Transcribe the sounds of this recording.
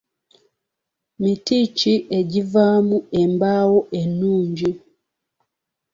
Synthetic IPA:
mitit͡ʃiʔeɟivamuɛmbawɔʔenuːɲd͡ʒi

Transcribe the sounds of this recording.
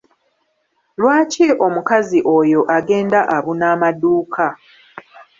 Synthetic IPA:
lwaːciʔo̞mukaziʔo̞jo̞ʔaɡe̞ːndaʔaβunaːmaduːkʰa

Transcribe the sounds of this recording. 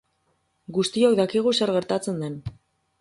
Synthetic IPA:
ɡust̪iokd̪akiɣ̞use̞ɾɣe̞ɾt̪at͡se̞nd̪e̞n

